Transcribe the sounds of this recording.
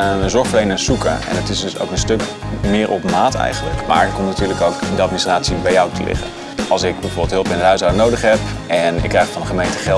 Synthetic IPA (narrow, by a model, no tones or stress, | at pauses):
zɔɹχfəlejnəsukə̰ɛ̰nətɪsdso̰wkənstɵk | mɪːɹʔɔpmaːtɛ̰jχənlə̰kma̰ːɹɪtkɔmnatyːɹləkowkdəɑt̚ministraːtsibɛjɔwtṵlɪ̰χə̰ | ɑlˠsɪkbɛjvoːbɪlˠtɦɵlˠpɪndəɦœɥsawnowdəχɦɛpɛnɪ̰kːrɛjχfɑnχəmejntəχɛ